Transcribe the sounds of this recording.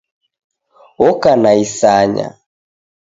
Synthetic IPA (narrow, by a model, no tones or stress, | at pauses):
ɔkanaisaɲa̰